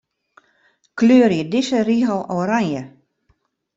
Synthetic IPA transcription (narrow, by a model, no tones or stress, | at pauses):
kløːəɾjədɪsəriɦəlˠoːɾanjə